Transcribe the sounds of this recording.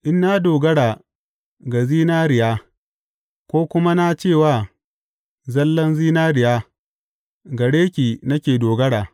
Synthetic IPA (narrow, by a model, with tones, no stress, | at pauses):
ʔɪ˦nːa˦doː˨ɡɐ˦ɽa˨ | ɡa˨ziː˦naː˦ɾɪ˨jaː˦ | kʷoː˦kʷʊ˦ma˦na˦t͡ʃeː˦˨waː˦˨ | zɐ˦lːɐ˦nziː˦naː˦ɾɪ˨jaː˦ | ɡɐ˨ɽeː˦kʲiː˨nɐ˦kʲeː˨doː˨ɡɐ˦ɽaː˨